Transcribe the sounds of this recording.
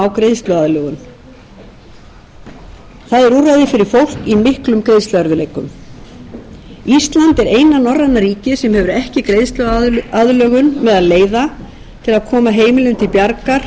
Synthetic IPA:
awkɾejðst̪lʏaðlœːɣʏn | θaðɛɾurːajðɪfɪɾɪɾ̥fowl̥kimɪhklʏmkɾejðst̪lʏaɾvʏleːjkʏ̰m | ist̪lant̪ɛɾeːjnanɔrːanːaɾiːcɪsɛmɦɛvʏɾɛhcɪkɾejðst̪lʏaðlœːɣʏnmɛðaðleːjða | t̪ʰɪlaðkʰɔːmaɦeːjmɪlʏmt̪ʰɪlpjaɾkaɾ̥

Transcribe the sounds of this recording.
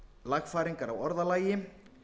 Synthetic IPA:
laɣfaːɾiŋkaɾawɔɾðalaːjɪ

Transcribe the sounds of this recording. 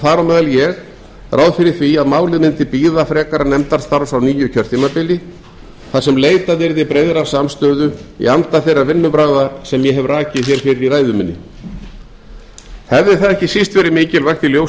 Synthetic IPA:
θaɾawmɛːðaljɛɣ | raːwðfɪɾɪɾ̥θviaðmaːwlɪðmɪnt̪ɪpiːðafɾɛːkaɾanɛmt̪aɾ̥st̪aɾsawniːjʏcʰœɾ̥t̪ʰiːmapɪlɪ | θasɛmleːjt̪aðɪɾðɪpɾejðɾaɾ̥samst̪œːðʏḭant̪aθejrːavɪnːʏpɾaːɣðasɛmjɛɦɛvraːcɪθjɛɾ̥fɪɾɪɾiɾaːjðʏmɪnːɪ̰ | hɛvðɪθaðɛhcɪsist̪vɛːɾɪmɪːcɪlvajxt̪ɪljow

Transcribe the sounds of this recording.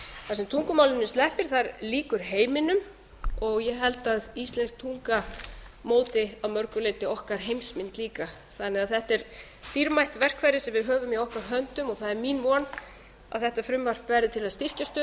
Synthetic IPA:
θasɛmt̪ʰuŋkʏmaːwlɪmnɪst̪lɛhpɪɾ̥θaɾliːkʏɾ̥ɦeːjmɪnʏm | ɔɣjɛɣɦɛlt̪aðist̪lɛnst̪ʰuŋkamoːwt̪ɪawmœɾkʏleːt̪ɪɔhkaɾ̥ɦejmsmɪnt̪liːka | θanːɛɣaðθɛht̪ɛɾ̥ | fiɾmajht̪vɛr̥kʰvajɾɪsɛmvɪðɦœːvʏmiɔhkaɾɦœnt̪ʏmɔɣθaðɛɾminvɔːn | a̰ðθɛht̪afɾʏmvar̥pvɛɾðɪt̪ʰɪlaðst̪ir̥cast̪ʏː

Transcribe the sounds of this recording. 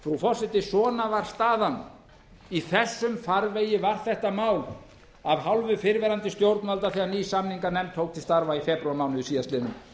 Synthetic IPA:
fɾufɔrsɪt̪ɪsɔːnavaɾ̥st̪aːðan | iθɛsːʏmfaɾveːjɪvaɾ̥θɛht̪amaːwl | avɦawlvʏfɪɾvɛːɾant̪ɪst̪jowɾt̪nalt̪aθianiːsamniŋkanɛmt̪ʰːoːwk̚t̪ʰɪ̥st̪aɾvaifɛpɾʏwaɾmaːwnʏɪsiːðast̪ɪːnʏm

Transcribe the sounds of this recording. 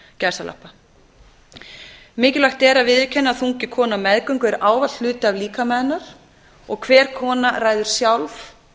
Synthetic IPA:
cɛsalʔa̰hpːa | mɪːcɪlajxt̪ɛɾaðvɪðvɪcʰɛnːaθuŋcɪkʰɔːnamɛðkœɥŋkʏɛɾaːwvat̪lʏːt̪ɪavliːkamɛːðnaɾ̥ | ɔ̰ɣkʰvɛːɾ̥kʰɔːnaraːjðʏɾ̥sjawlf

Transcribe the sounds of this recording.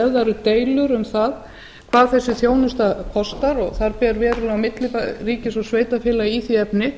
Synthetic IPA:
ɛðaɾʏt̪eːjlʏɾʏmθað | kʰvaːðθɛsːɪθjoːwnʏst̪apʰɔst̪aɾɔɣθaɾpɛɾvɛːɾʏlawmɪt̪lɪpariːcɪsɔsveːjt̪afɪːlaiθiɛpnɪ

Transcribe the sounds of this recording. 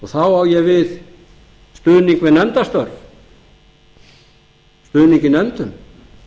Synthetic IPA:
ɔɣθawhawjɛvɪð | st̪ʏːðniŋkvɛnɛnt̪ast̪œɾv | st̪ʏːðniŋcɪnɛnt̪ʏm

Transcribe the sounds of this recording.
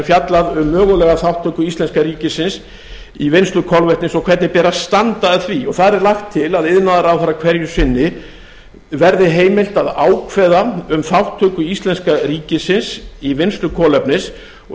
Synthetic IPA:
fjat̪laðʏmːœːɣʏlɛɣaθawht̪ʰœːkʏist̪ɛnskaɾiːcɪsɪns | ivɪnst̪lʏkʰɔlvɛht̪nɪsɔkʰvɛɾt̪nɪpɛːɾast̪ant̪aðθviɔɣθaðɾɛɾlaxt̪ʰːɪlaðɪðnaðaɾawθaɾakʰv̥ɛɾjʏsɪnːɪ | vɛɾðɪɦeːjmɪl̥t̪aðaːwkʰvɛːðaʏmθawht̪ʰœːkʏist̪lɛnskaɾiːcɪsɪnsivɪnst̪lʏkʰɔːlɛpnɪs | ɔ

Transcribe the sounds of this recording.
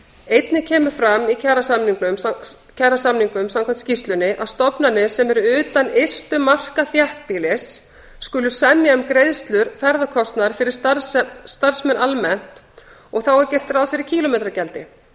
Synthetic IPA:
ejt̪nɪcʰɛːmʏɾ̥fɾamicʰɛrasamniŋknʏm | cʰɛrasamniŋkʏmsamkʰant̪scist̪lʏnɪʔaðst̪ɔpnanːɪsɛmɛɾʏʏːt̪anejst̪ʏmar̥kaθjɛht̪̚pilɪsː | kʏlʏsɛmjaʏmkɾejðst̪lʏɾ̥fɛɾðakʰɔst̪naɾ̥fɪɾɪɾ̥ | st̪aɾ̥smɛnʔalmɛn̥t̪ | ɔɣθawɛɾcɛjr̥t̪raːwfɪɾɪɾ̥cʰiːlʊmejt̪ɾacɛlt̪ɪ

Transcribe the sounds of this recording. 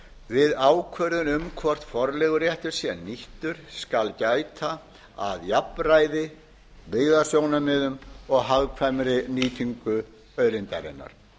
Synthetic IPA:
vɪðaːwkʰvœɾʏnʏmkʰvɔr̥t̪fɔɾlɛɣʏɾjɛht̪ʏɾ̥sjɛniht̪ʏɾ̥skalcaːjt̪ʰa | aðjapnraːjðɪ | vɪðasjoːwnamɪðʏmɔɣɦaðkʰvajmɾɪniːt̪ʰiŋkʏ | œðɾɪnt̪a̰ɾɪ̰nːa̰ɾ̥

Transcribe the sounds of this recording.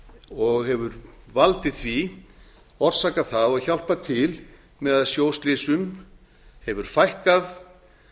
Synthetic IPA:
ɔɣhɛvʏɾvalt̪ɪðθvi | ɔɾsaːkaθaðɔɣçal̥pat̪ʰɪl | mɛðaðsjoːwst̪lɪsʏm | hɛvʏɾ̥fajhkað

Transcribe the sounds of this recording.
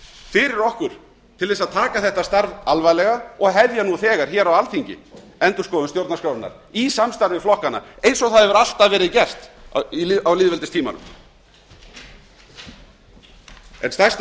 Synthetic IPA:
fɪɾɪɾɔhkʏɾ̥ | t̪ʰɪlvɛːsaðt̪ʰaːkaθɛht̪ast̪aɾvalvajlɛɣaɔɣɦɛvjanuθɛːɣaɾ̥çɛːɾawalθiɲcɪ̰ | ɛnt̪ʏskɔːðʏnst̪jowɾt̪naskawɾʏtna̰ɾ̥ | isamst̪aɾvɪflɔhkanːa̰ejnsɔɣθaðɛvʏɾal̥t̪aðvɛːɾɪðcɛr̥st̪iawlɪːðvɛlt̪ɪst̪ʰiːma̰nʏ̰m | ɛ̰nst̪ast̪

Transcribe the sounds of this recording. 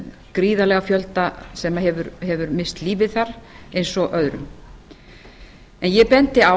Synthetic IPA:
kɾiːðalɛɣafjœlt̪asɛmaɦɛvʏɾhɛvʏɾmɪst̪liːvɪðθaɾ̥ejnsɔʔœðɾʏ̰m | ɛnjɛpɛnt̪ɪa

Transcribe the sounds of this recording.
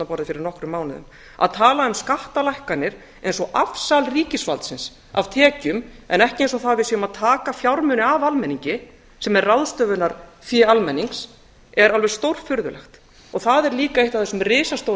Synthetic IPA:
napɔɾðɪfɪɾɪɾnɔhkɾʏmaːwnɪðʏ̰m | a̰ðt̪ʰaːlaʏmskaht̪alajhkanɪɾ̥ | ejnsɔʔafsalriːcɪsvalt̪sɪns | avt̪ʰɛːcʏmɛ̰nɛhcɪejnsɔθaðvɪsiʏmaðt̪ʰaːkafjawɾmʏnɪavalmɛnːiɲcɪ | sɛmɛrrawðst̪œːvʏnaɾfialmɛnːiŋks | ɛɾalvɛɾ̥st̪owɾ̥fʏɾðʏlɛ̰xt̪ | ɔθaðɛɾliːkaeht̪aθɛsʏmrɪːsast̪ow

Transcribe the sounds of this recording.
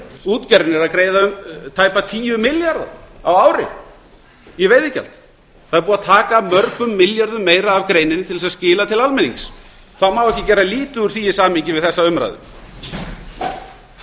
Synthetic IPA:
uːt̪cɛɾɪnɛɾaðkɾeːjðaʏmt̪ʰaːjpat̪ʰiːjʏmɪljaɾða̰awaːwɾɪ̰ | iveːjðɪcɛ̰l̥t̪ | θaðɛɾpuːnat̪ʰaːkamœɾkʏmːɪljaɾðʏmːeːjɾaːvkɾeːjnɪnt̪ʰɪls̬aðscɪːlat̪ʰɪlalmɛnḭŋks | θaðmawɛhcɪcɛɾrːaliːt̪ʏuɾ̥θiːjɪsaːmiɲcɪvɪðθɛsːaʏmɾa̰jðʏ̰m

